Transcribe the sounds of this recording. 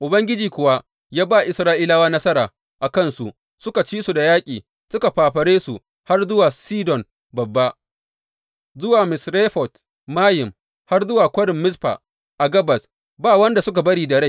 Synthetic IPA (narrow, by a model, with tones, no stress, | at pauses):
ʔʊ˨bɐ˦ŋɡʲɪ˦d͡ʒiː˨kʷʊ˨wa˦ | jaː˦baː˦˨ʔɪ˨sɾaː˦ʔɪ˦laː˦waː˦nɐ˦sɐ˦ɾaː˨ | ʔa˨kɐ˦˨nsu˨ʔ | sʊ˦ka˨t͡ʃiː˦su˨da˨jaː˦kʲʼiː˨ | sʊ˦ka˨ɸaː˨ɸɐ˨ɽeː˦su˨ | ha˦rzʊ˦waː˨siː˦dɔ˨n | bɐ˨bːa˦ | zʊ˦waː˨mɪ˨sɾe˦ɸɔ˨t | maː˦jɪ˨m | ha˦rzʊ˦waː˨kʷɐ˦ɽɪ˨mːɪ˦sɸa̰ː˨ | ʔa˨ɡɐ˦bɐ˨s | baː˦˨wɐ˦nda˨sʊ˦k̬a˨bɐ˦ɽiː˦dɐ˨ɽa˦˨